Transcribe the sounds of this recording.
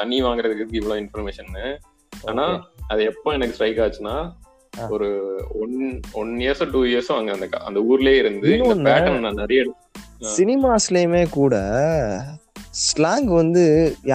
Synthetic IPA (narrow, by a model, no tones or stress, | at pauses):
t̪ɐɳːiʋaːŋɡɪɾɐðɯkːɯɡɪʋɐɭõɪnfɐɾmeːʃɐnnɯ | aːnaːɐðɐɛpːõːɛnɐkːɯsʈɾɐɪkːaːt͡ʃːɯnːaː | ɔɾɯɔnɔneːɾsõːʈuːiɐɾsõɐŋɡɐɾɐnd̪ɯkːã̰ːʔɐ̰nd̪ɐuːɾɪleːɪɾɯnd̪ɯːnːpaːɐnnːãːnɛɾɐjɐɛɽɯt̪ː | sɪnɪmaːsleːmeːkuːɽɐ | slaːŋɡʋɐnd̪ɯj